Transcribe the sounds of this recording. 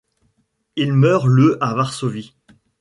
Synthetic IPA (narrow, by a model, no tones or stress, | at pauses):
ilmœːʁløʔavaʁsovi